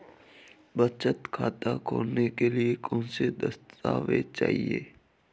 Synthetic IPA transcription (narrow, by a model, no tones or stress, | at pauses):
bət͡ʃət̪kʰaːt̪akʰo̰ːnekeliekɔ̃ːnsed̪əst̪a̰ːʋet͡ʃa̰ːɦḭḛː